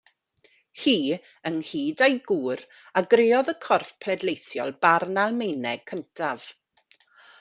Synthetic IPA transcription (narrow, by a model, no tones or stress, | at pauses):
hiː | ənhiːdajɡuːɾ | aɡrɪːɔðəkʰɔrfpʰlɛdlejθjɔ̰lˠbarnalˠmejnɛɡ̚kʰəntʰav̥